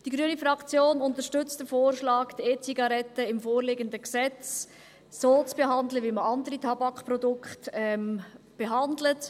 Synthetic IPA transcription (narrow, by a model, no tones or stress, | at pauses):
d̥iɡɾyənifɾɑkt͡sjoːnʊntəɾʃtʏt͡std̥əfoːrʃlɑːɡteːt͡siɡɑɾɛtːəɪmfoːɾlɪɡəndəksɛt͡s | soːt͡sb̥eɦɑndləʋiməɑndəɾitʰɑbɑkprɔdʊkχtɛm | b̥eɦɑndlət